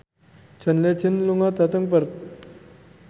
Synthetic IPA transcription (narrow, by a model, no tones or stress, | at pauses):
t͡ɕʰənlet͡ɕʰinluŋat̪at̪əŋpəɾ